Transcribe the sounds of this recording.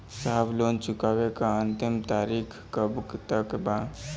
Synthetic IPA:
sablont͡ʃʊkabekaənt̪imt̪aɾikʰkəbkt̪əkba

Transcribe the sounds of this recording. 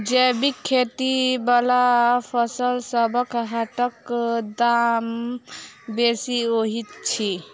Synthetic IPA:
d͡ʒebikʰːet̪ibalapʰəsəlsəbəkɦaʈəkd̪am | besioɦit̪t͡ʃʰi

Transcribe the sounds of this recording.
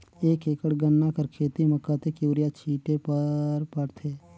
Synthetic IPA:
eːkeːkəɽɡənːakəɾkʰeːt̪iməkːat̪ekjuːɾijat͡ʃʰiːʈepəɾpəɾt̪ʰeː

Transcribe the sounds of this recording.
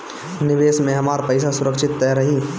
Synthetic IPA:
nɪʋeːsmẽɦɐmaːɾpəɪs̬asʊɾəkʃɪt̪ːɛːɾɐɦiː

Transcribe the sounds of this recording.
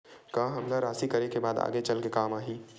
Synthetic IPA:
kaːɦɐmlaɾaːsikɐɾekebaːd̪a̰ːɡet͡ʃɐlkekaːmaːɦiː

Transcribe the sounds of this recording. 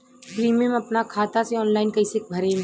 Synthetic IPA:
pɾiːmemɐpnakʰaːt̪aseɔːnlaːɪnkɐɪsek̚bʱɐɾẽ

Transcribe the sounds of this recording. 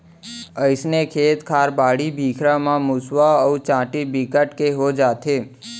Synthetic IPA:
əjsnekʰeːt̪kʰaːɾbaːɽibʱikʰɾamãmusʋaəut͡ʃãʈibikəʈkeɦod͡ʒat̪ʰe

